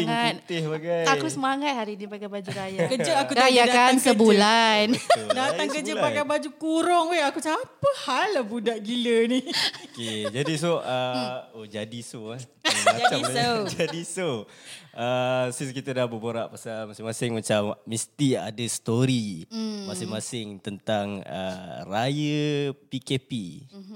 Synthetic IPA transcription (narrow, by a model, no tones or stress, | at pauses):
iŋait̪̚t̪ɪhbaɡajakusəmaŋat̪̚haɾinipakabad͡ʒukajakəd͡ʒəakukajakansəbulandaaŋkəd͡ʒəpakabad͡ʒukuɾɔŋweakut͡ʃaapəhalːahbudaʔɡilənioked͡ʒadis̬oʔəod͡ʒadisoamaat͡ʃad͡ʒadiso | əsiskit̪ədahboboɾaʔpasalmasɪŋmasɪŋmat͡ʃamːĩst̪ia̰dəst̪oɾimasɪŋmasɪŋt̪ənt̪aŋə̰rajəpikepi